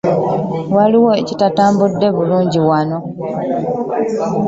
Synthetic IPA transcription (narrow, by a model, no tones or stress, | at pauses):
waliwo̞ecitataːmbudːe̞βuluːɲɟiwano̞